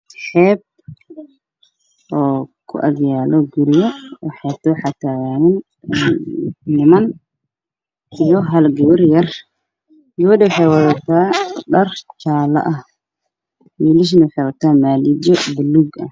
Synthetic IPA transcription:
ħɛːb̚ | ʔɔːkʰʊ̰ʔɐɣjaːlɔɡʊɾɪjɔwɑħɑːt̪ɔːħɑt̪ʰaːɣaːnɪn | nɪmɐn | ijɔɦɐlɡɐwɐrjɐr | jɔwdɛwɑħɑjwɐðɐt̪ʰaːɖɐrt͡ʃaːlɐ̰ʔɐ | wiːlɪʃ̬nɐwʊħɑjwɐt̪ʰaːmaːlid͡ʒɔbɪlːuːɡɐ

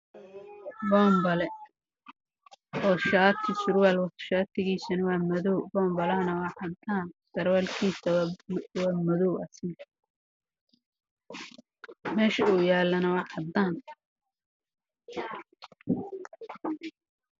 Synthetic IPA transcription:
bɔːmbɐlɛ | ʔɔːʃaːt̪ʰɪsʊrwaːlwɐt̪ʰʃaːt̪ʰɪɣiːsɐnɐwɑːmɐðɔwbɔːmbɐlɐnɐwɑʕɑd̪aːnsɐrwalkʰiːsɐwwɑːmɐðɔwɐsɪ | mɛːʃɐuːjaːlɐnɐwɑħɑd̪aːn

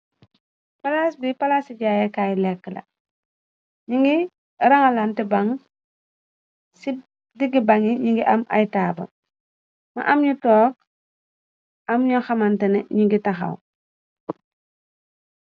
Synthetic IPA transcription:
palasbipalasiɟaːjekajlɛkːəlɐ̰ | ɲiŋɡi | ɾaŋalantibaŋ | si | diɡibaŋiɲiŋɡiʔama̰jtaːbɐ̰ | ma̰ʔamɲutɔːk̚ | amɲɔxamantɐnɛɲiŋɡitaxɐ̰w

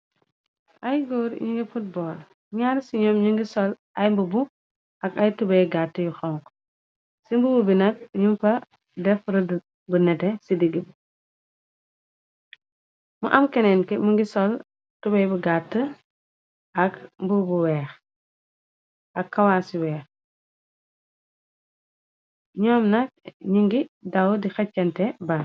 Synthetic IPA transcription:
ʔɐjɡɔːɾɲuŋɡifut̚bɔːl | ɲaɾsiɲɔmɲuŋɡisɔl | ʔɐjmbubu | ʔɐkɐjtubɛjɡatːəjuxɔŋkɔ̥ | simbububinɐk̚ɲumpɐ | dɛfɾɐd | bunɛtɛsidiɡibu | mṵʔɐmkɛnɛnkimuŋɡisɔl | tubɛjbuɡatːə | ʔɐkmbubuwɛːx | ʔɐkːɐwaːsiwɛːx | ɲɔːmnɐk̚ɲiŋɡidɐwdixɐcːɐntɛba

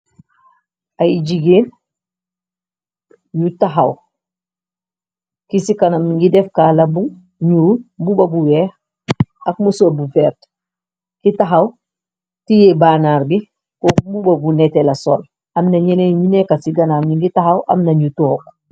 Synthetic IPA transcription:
ajid͡ʒiɡeːn | jutaɦaw | kisikanamiŋɡidɛfkaːlabu | ɲububɐbuwɛx | ɐk̚musɔlbufɛɾt | kitaɦaw | tijɛbanaːɾbi | kɔbubabunɛtɛlasɔl | amnaɲɛneɲinɛkasiɡanamiŋɡitaɦawʔa̰mnɐɲutɔːk

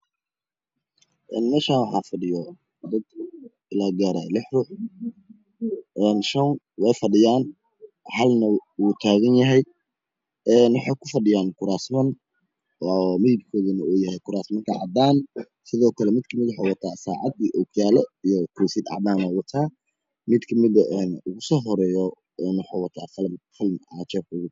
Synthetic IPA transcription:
ʔɛːnmɛːʃaːnwɑħɑːfɐɖɪjɔ | d̪ɐd̪ | ɪlaːɡaːɾa̰ːlɪħruːħ | ʔɛːnʃɐn | wɛjfɐɖɪjaːn | ħɐlnɐwuːt̪ʰaːɣɐnjɐɦɛj | ɛːnwɑħɑkʰʊfɐɖɪjaːnkʰʊɾaːsmɐn | ɔmɪðɪb̚kʰɔːðɐnɐuːjɐhɛjkʰʊɾaːsmɐnt̪ʰɐʕɑ̰d̪aːn | sɪðɔːkʰɐlɛmɪd̪̚kʰɐmɪd̪wʊħaːwɐt̪ʰaːsaːʕɑ̰d̪iʔɔkʰjaːlɐijɔkʰɛjsɪd̪ʕɑ̰ʕd̪aːnɐwɑt̪ʰaː | mɪd̪kʰɐmɪd̪ɐʔɛnʊɣʊsɔːɦɔɾɛːjɔ | ɛnwɑħaːwɑt̪ʰaːfɐlmfɪlmʕɑːt͡ʃɛbʊɣʊ

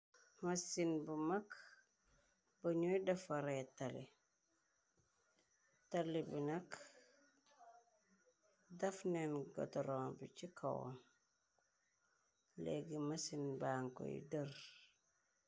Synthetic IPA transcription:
mɐsinbumɐk | bɐɲujdɐfɐɾɛtɐli | tɐlibinɐk | dɐfnɛnɡɔ̰tɔɾɔːnbicikʰɐ̰wɔ̰n | lḛɡimɐsinbaːŋkɔ̰jḭdər

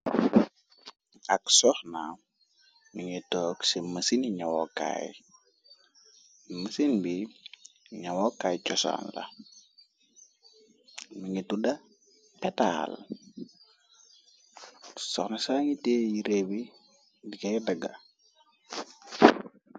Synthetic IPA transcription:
ɐksɔxna | nuŋitɔːksiməsiniɲɐwɔ̰ka̰j | məsinbi | ɲɐwɔkaːjt͡ʃɔsa̰ːnlɐ̰ | nuŋitudɐ | pɛta̰ːl | sɔxnɐsaːŋiteːjiɾebi | dikɐjdɐɡɐ

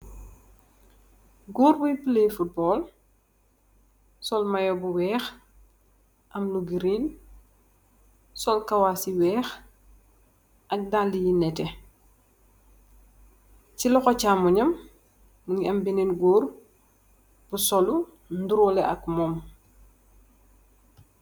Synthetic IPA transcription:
ɡuːɾbujpilejfut̚bɔːl | sɔlmɐjɔbuwɛːx | ʔɐmluɡiɾiːn | sɔlkɐwasiwɛːx | ʔɐk̚daldijinɛtɛ | cilɔxɔcamuɲɐmː | uɲiɐmbininɡuːr | b̥usɔlu | nduɾɔlɛʔɐkmɔm

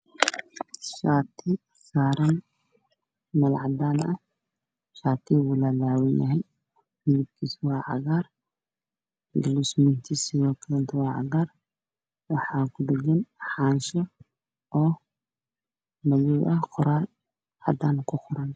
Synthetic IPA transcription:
ʃaːt̪ʰɪ | saːɾɐn | mɐlʕɑd̪aːnɐ | ʃaːt̪ʰɪwʊlalaːwɪnjɐ̰ɦɛj | mɪðɪb̚kʰiːswɑːʕɑ̰ɣaːr | ɡɐlusmɪnt̪ʰisɪjɔːkʰɐlɛnt̪ʰɐwɑːʕɑ̰ɣaːr | wɑħɑːkʰʊd̪ɛɡɐnħɑːnʃɔ | ɔː | mɐjuʔɐqʊɾal | ɑ̰d̪aːnkʰʊqʊɾɐn

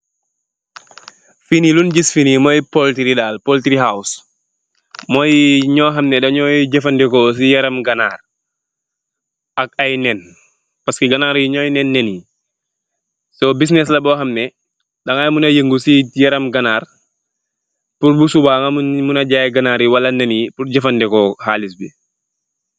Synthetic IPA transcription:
finilunɟisfinimɔjpɔltiɾidaːlpɔltiɾiɦaws | mɔjɲɔːɦɐmnɛdɐɲɔːjɟɛfɐndɛkɔs̬ijɐɾɐmɡɐnaːr | ɐkɐjnɛn | pɐskiɡɐnaːɾjiɲɔjnɛnːɛnji | soːbis̬nɛs̬lɐbɔːɦɐmnɛ | dɐŋajmunɐjəŋɡusijɐɾɐmɡɐnaːr | puɾbusubaːŋamumunɐɟaːjɡɐnaːɾjiwɐlɐnenipurɟɛfɐndɛkɔhaːlisbḭ

